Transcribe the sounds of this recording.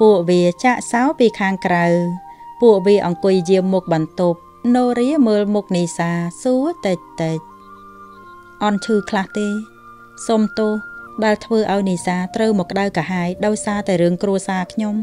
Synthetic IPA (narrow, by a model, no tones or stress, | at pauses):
puəʔʋiət͡ɕaːʔsaɔpiːkʰaːŋkrawpuəʔʋiəʔɑŋkʊ̆jːiəmːuk̚ɓɑnt̪up̚ | noːɾiəməːlmuk̚niːsaːsuət̪əc̚t̪a | ʔɑnt͡ɕʰɨːkʰlaht̪eː | somt̪ʊːhɗaɛlt̪ʰʋəːʔaɔjniːsaːt̪rəwmɔkːə̆ɗawkaɦaɛjɗaɔjsaːt̪aɛjrɨəŋkruəsaːkʰɲom